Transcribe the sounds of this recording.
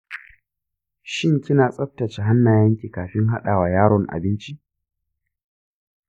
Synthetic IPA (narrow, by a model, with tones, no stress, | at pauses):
ʃɪ˦ŋkʲɪ˦naː˨sʼɐ˦ɸ̚tɐ˨t͡ʃe˨ɦa˦nːaː˨jɐ˦ŋkʲiː˨kaː˨ɸɪ˦ŋɦa˦ɗaː˨waː˨jaː˦ɽɔ˨ŋʔa̰˨bɪ˦nt͡ʃi˦